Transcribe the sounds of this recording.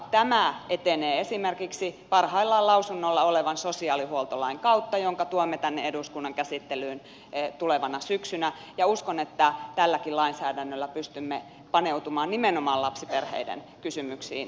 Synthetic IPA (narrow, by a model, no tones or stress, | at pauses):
t̪æmæet̪eneːesimerkiksipɑrhɑilːɑlɑusunːolːɑoleʋɑnsosiɑːlihuolt̪olɑiŋkɑut̪ːɑjoŋkɑt̪uomːet̪ænːeeduskunːɑŋkæsit̪ːelyːn | t̪uleʋɑnɑsyksynæ | jɑuskonet̪ːæt̪ælːækillɑinsæːdænːølːæpyst̪ymːe | pɑneut̪umɑːnnimenomɑːlɑpsiperhḛidḛn | kysymyksḭːn